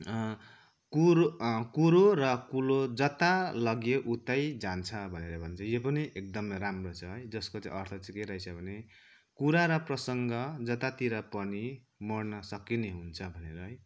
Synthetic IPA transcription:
kukuɾoɾʌkulod͡zʌt̪alʌɡjeʔut̪ajd͡zant͡sʰʌbʱʌneɾʌbʱʌnt͡sʰʌjepʌniʔek̚d̪ʌmʌɾamrot͡sʰʌɦʌjd͡zʌskot͡sãĩʔʌrt̪ʰʌt͡sĩkeɾajt͡sʰʌbʱʌne | kuɾaɾʌprʌsʌŋɡʌd͡zʌt̪at̪iɾapʌni | mʌrnʌsʌkineɦunt͡sʰʌbʱʌneɾʌɦʌj

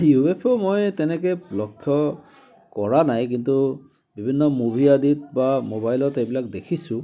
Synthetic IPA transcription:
juepʰɔmojtɛnɛkɛlɔkʰːjɔ | kɔɹanajk̬intu | bibʱinːɔmobʱiaditbamobajlɔtejbilak̚dekʰisʊ̃

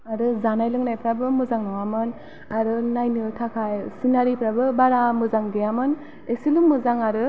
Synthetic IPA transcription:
aɾɯzanajlɯŋnajpʰɾabɯmɯzaŋnɔŋamɯn | aɾɯnajnɯtʰakʰajsinaɾipʰɾabɯbaɾamɯzaŋdɯjamɯn | esilumːɯzaŋaɾɯ

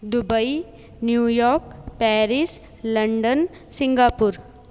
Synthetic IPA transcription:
d̪ubəi | njujɔːɾkpɛːɾis | lɐɳɖən | sɪ̃ŋɡaːpuɾ

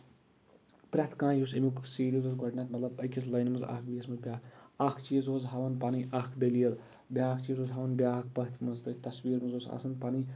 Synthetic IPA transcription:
pɾʲɐt̪ʰkãːjusemiksiːɾizozɡɐɖnaːt̪mɐt̪lɐbɐjkʲislɐjnmɨza̰kbijɐsmɐzbʲjaːkɐkʰt͡ʃiːzoːzɦɐʋɐnpaːniʔakʰbelijɐl | bʲaːkʰt͡ʃiːzoːzɦɐʋɐnbʲaːk̚ʰpɐɦt̪ʰmɐzt̪ɨt̪ɐsʋiːɾmɐzoːsa̰ːsɐnpaːni

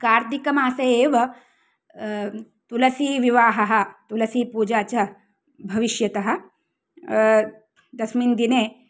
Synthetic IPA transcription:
kaːɾd̪ikɐmaːsɐeːʋɐ | t̪ulɐsiːʋiʋaːɦɐɦɐ̆t̪ulɐsiːpuːd͡ʒaːt͡ʃɐ | bʱɐʋiʃjɐt̪ɐɦɐ̆ | d̪ɐsmind̪ineː

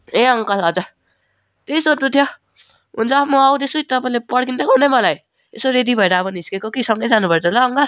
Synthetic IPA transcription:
ẽʌŋkʌlʌd͡za | t̪eisoʈ̪ut̪ʰjo | ɦunt͡sʰʌmuawd̪esuit̪ʌpaĩlepʌɽkint̪ʌkɦunemʌlaj | esoɾed̪ibʱʌeɾabʌniskekokisʌŋɡʌjd͡zanubʌɾt͡sʰʌlʌʌŋkʌl

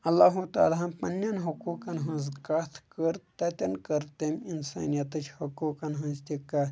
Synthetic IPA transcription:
ɐlːaːɦut̪a̰ːlaɦɐmpɐnːɐnɦɐkuːkɐnɦɐ̃nzkat̪ʰkəɾt̪ɐt̪ʲɐnkɐɾt̪eminsa̰ːnijɐt̪ɐt͡ʃʰhɐkuːkɐnɦɐ̃nzt̪ikaː

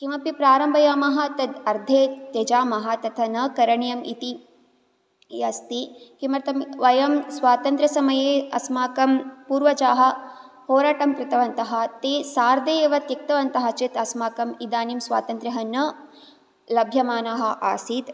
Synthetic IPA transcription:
kimɐpipɾaːɾɐmbʱɐjaːmɐɦɐ̆t̪ɐd̪ɐɾd̪ʱeːjɐd͡ʒaːmɐɦɐ̆t̪ɐt̪ʰɐnɐkɐɾɐɳjɐmḭt̪i | jɐst̪ikimɐɾt̪ɐmʋɐjɐmswaːt̪ɐnt̪ɾɐsɐmɐjeːɐ̰smaːkɐmpuːɾʋɐt͡ʃaːɦɐ̆ | hoːɾaːʈɐmkɾɪt̪ɐʋɐnt̪ɐɦɐ̆t̪eːsaːɾd̪ejeːʋɐt̪jɐk̚t̪ɐʋɐnt̪ɐɦɐ̆t͡ʃit̪ɐsmaːkɐmid̪aːnimswa̰ːt̪ɐnt̪ɾɐɦɐnɐ | lɐbʱjɐmaːnaːɦɐ̆ʔa̰ːsiːd̪

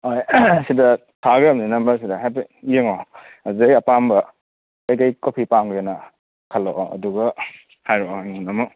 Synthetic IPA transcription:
ojsidɐ | tʰaɡemninɐmbɐɾs̬idɐɦajbeijeŋo | azeɐpambɐ | ejkajkopʰipaŋɡenɐ | kʰɐlːoʔɐ̰duɡɐ | hajɾoŋunɐmu

